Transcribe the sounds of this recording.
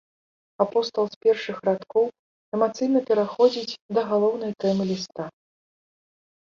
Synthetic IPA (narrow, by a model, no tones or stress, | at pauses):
apɔst̪ɐlˠspʲɛrʂɨxɾat̪kɔw | ɛmat̪sɨjnɐpʲɛɾaxɔd͡zʲit͡sʲd̪ɐɣalˠɔwnɐjt̪ɛmɨlʲist̪a